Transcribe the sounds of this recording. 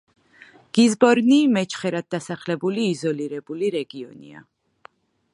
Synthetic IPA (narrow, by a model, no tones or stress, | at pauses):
ɡ̥izbɔɾnimɛt͡ʃʰχɛɾad̪̚ːasaχlɛbuliːzɔliɾɛbuliɾɛɡiɔ̰nḭa̰